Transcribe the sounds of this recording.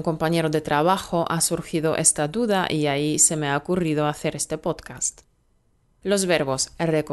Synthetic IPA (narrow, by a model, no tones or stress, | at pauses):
ŋko̞mpaɲe̞ɾoðe̞t̪ɾaβaxo̞ʔasuɾxiðo̞ʔest̪aðuðaʔiaise̞meaokuriðoaθe̞ɾe̞st̪e̞po̞t̪kast̪ | lo̞zβeɾβo̞srek